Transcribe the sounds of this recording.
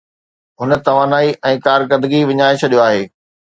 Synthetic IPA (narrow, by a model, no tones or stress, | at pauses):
ɦʊnə̆t̪ɐʋaːnaːiʔɛ̃ːkaːɾkəɾd̪ɪɡiʋɪɲaːet͡ɕʰɐɗijoaːɦeː